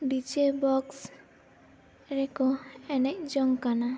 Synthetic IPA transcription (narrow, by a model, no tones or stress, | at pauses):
bit͡ʃebɔks | ɾɛkɔɛnɛk̚d͡ʒɔŋkana